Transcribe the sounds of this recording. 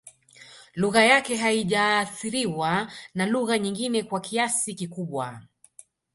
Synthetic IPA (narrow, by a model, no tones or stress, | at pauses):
luɣajakɛɦaiʄaːθiɾiwanaluɣaɲiŋɡinɛkwakiasikikuɓwa